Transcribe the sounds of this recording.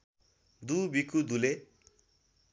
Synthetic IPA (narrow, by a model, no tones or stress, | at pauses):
d̪ubikud̪ule